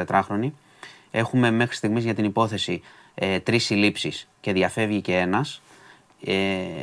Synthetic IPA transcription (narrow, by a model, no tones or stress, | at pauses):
et̪ɾɐxɾo̞ni | e̞xume̞me̞xɾist̪iɣmizʝɐt̪inipo̞θe̞si | et̪ɾisilipsisce̞ðjɐfe̞vʝice̞e̞nɐs | e